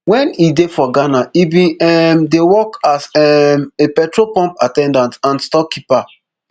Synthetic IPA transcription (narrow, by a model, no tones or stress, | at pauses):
wɛ̃nidefɔɡanaibĩɛmdewɔkazɛmepɛtɹopɔ̃mpatɛ̃ndãntãnstɔkipa